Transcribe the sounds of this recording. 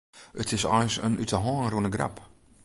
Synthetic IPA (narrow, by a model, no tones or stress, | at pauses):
ətʰɪsɔ̰jsə̰nʔytəɦɔːnrunəɡra̰p